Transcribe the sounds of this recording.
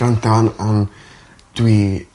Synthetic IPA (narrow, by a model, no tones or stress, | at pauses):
antʰanan | d̥wi